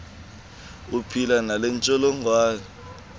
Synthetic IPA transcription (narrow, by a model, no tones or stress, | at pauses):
upʰilanalɛnt͡ʃʼɔlɔŋʱwaːni